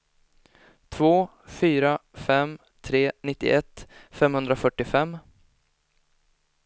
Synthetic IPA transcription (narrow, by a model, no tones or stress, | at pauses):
t̪ʰvoː | fyːɾafɛm | t̪ʰɾeːnɪt̪ːɪ̰ʔɛt̪ːfɛmhɵnd̪ɾafœʈːɪfɛmː